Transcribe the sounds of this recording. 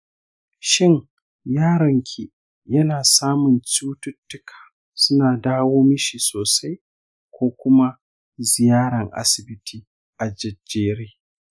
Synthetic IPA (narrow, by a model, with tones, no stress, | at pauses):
ʃɪ˦ŋ | jaː˦ɾɐ˨ŋkʲʰi˨ | jɐ˦naː˨saː˦mʊ˨nt͡ʃuː˦tʊ˦tːʊ˦kʰḁː˨ | sʊ˦naː˨daː˦woː˦mɪ˦ʃiː˨soː˨sa˦j | kʷoː˦kʷʊ˦ma˦ | zɪ˨jaː˦ɽɐ˨ŋʔa̰˦sɪ˨bɪ˦tʰiː˦ | ʔa˨d͡ʒɐ˨d͡ʒeː˦ɾeː˦